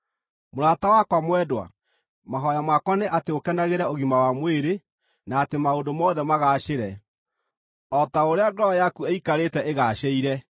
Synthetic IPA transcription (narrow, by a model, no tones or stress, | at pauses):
moɾatawakwamwɛdwa̰ | maɦɔjamwakwaneʔateokɛnaɣeɾɛoɣimawamweɾe | naːtemaondomɔːðɛmaɣaːʃeɾɛ | ɔtaoɾeaɡɾɔajakueikaɾetɛʔeɣaːʃeiɾɛ